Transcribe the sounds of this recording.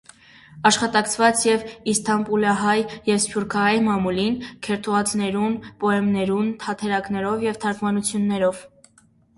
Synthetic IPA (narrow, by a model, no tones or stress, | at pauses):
ɑʃχɑt̪ɑkt͡sʰvɑt͡sjɛvist̪ʰɑmpulɑɦɑjjɛvspʰʲjuɾkʰɑɦɑjmɑmulinkʰɛɾt̪ʰuɑt͡sʰnɛɾunpɔɛmnɛɾunt̪ʰɑt̪ʰɛɾɑknɛɾɔvjɛvt̪ʰɑɾkʰmɑnut͡sʰjunːɛɾɔv